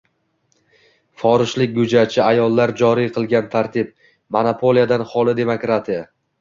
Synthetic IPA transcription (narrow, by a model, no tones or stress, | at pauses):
fɒɾɪʃlɪk̚ʲɡʊd͡ʒat͡ʃʰɪajɒlˠːaɾd͡ʒɒɾijqʰɨlˠɡʲant̪ʰaɾt̪ʰɪb̚ | monapʰo̞lˠijad̪anhɒlˠɪd̪e̞mokɾat̪ʰija